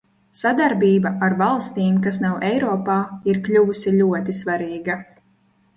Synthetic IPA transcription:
sad̪aɾbʲiːbaʔaɾvalˠst̪iːmkasnawʔɛjɾɔːpaːiɾklʲuːusʲiʎʲuɔt̪isvaɾiːɡa

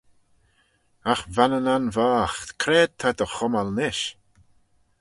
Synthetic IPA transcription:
axvanənanvaːxt̪kʰɾeːd̚t̪ʰad̪əxɔmalnɪʃ

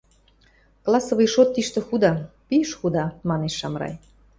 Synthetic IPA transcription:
klˠɑsoβijʃot̪ːiʃt̪ĕxud̪ɑpiʃxud̪ɑmɑneʃːɑmɾɑ̰j

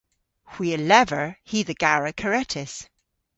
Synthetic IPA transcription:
hw̥iəlɛvə˞hiðəɡ̥aɹəkʰəɹɛtʰɪs

